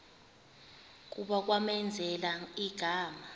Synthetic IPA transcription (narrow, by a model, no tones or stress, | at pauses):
k̬uɓak̬wamɛnd͡zʱɛlaiɡ̥ʱaːma